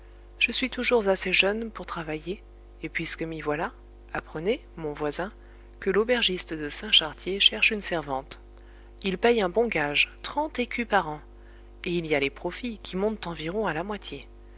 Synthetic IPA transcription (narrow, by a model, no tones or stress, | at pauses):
ʒ̥əsɥit̪uʒuʁzaseʒœnpuʁt̪χavajeː | pɥiskəmivwala | apχəne | mɔ̃vwazɛ̃ | kəlobɛʁʒist̪d̪əsɛ̃ʃaʁt̪jeʃɛʁʃynsɛʁvɑ̃t̪ | ilpɛjɛ̃bɔ̃ɡaʒt̪χɑ̃t̪ekʲypaʁɑ̃ | eilialepχɔfikʲimɔ̃t̪t̪ɑ̃viʁɔ̃alamwat̪je